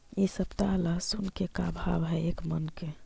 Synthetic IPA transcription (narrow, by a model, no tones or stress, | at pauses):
isəpt̪alasunkekabʱabɦɛekmənke